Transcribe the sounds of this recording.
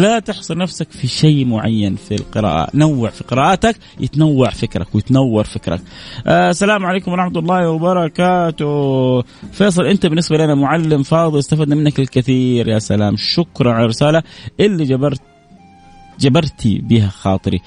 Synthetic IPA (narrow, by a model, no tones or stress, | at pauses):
lat̪ɪħsˤʊlnafsakfiʃejmʊʕa̰jːanfilqɪɾa̰ːʔa̰nawːaʕfiqɨɾaːʔaːt̪ak | jʔɪ̰t̪nawːaʕfɪkɾa̰kwjɪt̪nawːɑɾˤfɪkɾa̰k̚ʔsːalaːmʕaleːkʊmɑˤɾˤɑħmat̪lˤːɑːhwɑbɑɾˤɑkaːt̪ʊ | feːsˤɨlʔɪnt̪abɪnːɪsbalanamʊʕalːɪmfɑːðˤɨlɪst̪afaːd̪nmɪnːakɪlkɪθiːɾjasalaːmʃʊkɾˤɑnʕanɾːɪsaːlaʔɪlːid͡ʒabɑɾ | d͡ʒabɑɾˤt̪ʰḭbiːɦaxɑ̰ːt̪ˤɨɾḭ